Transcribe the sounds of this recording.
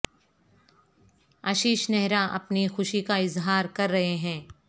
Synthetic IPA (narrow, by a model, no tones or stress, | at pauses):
ɐʃiːʃnɛɦɾaʔɐ̰pnixʊʃikaɪzɦaːɾkɐɾːɐɦeɦɛ̃ː